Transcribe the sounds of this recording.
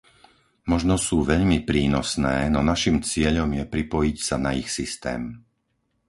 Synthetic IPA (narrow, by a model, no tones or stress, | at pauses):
mɔʒnɔsuːʋɛʎmipɾiːnɔsnɛːnɔnaʃimt͡sɪɛʎɔmjɛpɾipɔjicsanaixsist̪ɛ̰ːm